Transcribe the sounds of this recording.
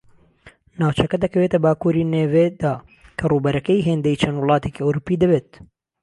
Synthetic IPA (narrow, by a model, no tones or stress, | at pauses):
naːwt͡ʃɐkɐd̪ɐkɐweːt̪ɐbaːkuːɾiːneːveːd̪aː | kʰɐruːbɐɾɐkɛjɦeːnd̪ɛjit͡ʃʰɐnd̪wʊlˠɑːt̪ekiːoɾupiːd̪ɐbeːt̪̚